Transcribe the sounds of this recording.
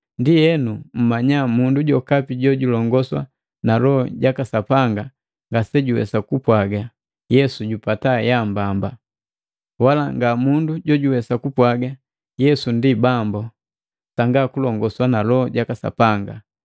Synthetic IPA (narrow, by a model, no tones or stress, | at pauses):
ndijɛnum̩maɲamunduɟɔkapiɟɔɟulɔŋɡɔswa̰ | nalɔɟakasapaŋɡa | ŋɡasɛɟuwɛ̰sakupwaɡa | jɛsuɟupatajambamba | walaŋɡamunduɟɔɟuwɛsakupwaɡa | jɛsundibambɔ | saŋɡakulɔŋɡɔswanalɔhɔɟakasa̰paŋɡa̰